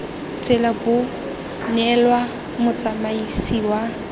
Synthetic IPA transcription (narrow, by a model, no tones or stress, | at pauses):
t͡sʼɪlabʊ | nɛlwa | mʊt͡sʼamaisiwa